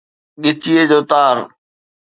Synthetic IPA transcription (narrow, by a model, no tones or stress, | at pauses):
ɠɪt͡ɕied͡ʑoːt̪aːɾ